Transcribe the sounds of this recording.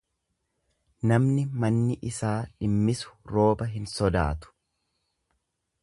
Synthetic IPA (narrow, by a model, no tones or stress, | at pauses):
nɐmnɪmɐnːɪʔɪsaːᶑɪmːɪsʊ̥ɾo̞ːbɐɦɪnsɔd̪a̰ːt̪ʊ̥